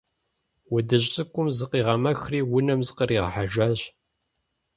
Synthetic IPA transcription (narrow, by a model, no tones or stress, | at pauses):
wədɨɕʼɨkʷʼʊmzɨqiːʁɐmɐxriːwʊnɐmzɨqəɾiːʁħaʒaːʑ